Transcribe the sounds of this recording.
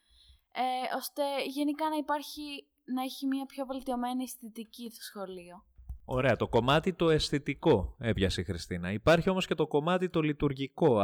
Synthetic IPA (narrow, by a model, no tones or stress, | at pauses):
eo̞st̪e̞ʝe̞nikɐnɐipɐɾçi | nɐeçimiɐpço̞ve̞lt̪io̞me̞niest̪it̪icist̪osxo̞lio̞o̞ɾe̞ɐt̪o̞ko̞mɐt̪it̪o̞e̞sθit̪iko̞e̞pʝɐsixɾist̪inɐipɐɾçio̞mo̞sce̞t̪o̞ko̞mɐt̪it̪o̞lit̪uɾʝiko̞